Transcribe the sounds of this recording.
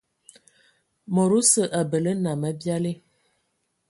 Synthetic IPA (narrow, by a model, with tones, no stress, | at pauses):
mo˨ɾu˦sə˨ʔa˨bə˨lə˦na˨mə˦bja˦li˦